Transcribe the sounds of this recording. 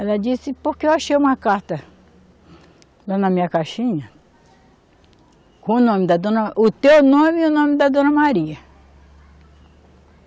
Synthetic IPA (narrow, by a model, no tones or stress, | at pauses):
ɛlɐd͡ʒisɪpoɾkeewaʃejũmɐkaɾt̪ɐ | lanɐmĩɲɐkaʃĩɲɐ | kõʊnõmɪd̪ɐd̪õnɐʔʊt̪ewnõmɪʊnõmɪd̪ɐd̪õnɐmaɾiɐ